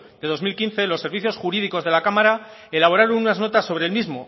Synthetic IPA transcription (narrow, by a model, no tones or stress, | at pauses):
d̪̥e̞ðo̞zmilkinθe̞lo̞sːe̞ɾβiθjo̞sxuɾiðiko̞zðe̞lakamaɾa | e̞laβo̞ɾaɾo̞nunazno̞t̪asːo̞β̞ɾe̞lmizmo̞